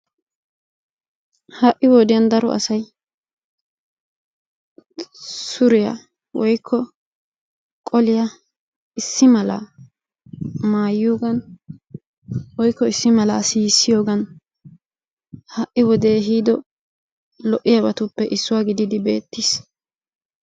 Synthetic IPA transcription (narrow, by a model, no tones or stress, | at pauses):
hɐʔːɪwɔd̪ɪjɐnd̪ɐɾɔ̰ʔɐ̰sɐj | sʊɾɪjɐ̰ | wɔjkʰːɔ | kʼɔlɪja | ɪsːɪmɐla̰ː | maːjːuːɡɐn | wɔjkːɔɪsːɪmɐla̰ːsiːsːɪjo̞ːɡɐn | hɐʔːɪwɔd̪e̞ːɦiːd̪ɔ | lɔʔɪjɐbɐt̪ʊpːɛʔɪsːʊwaːɡɪd̪ɪd̪ɪbe̞̰ːt̪ːiːs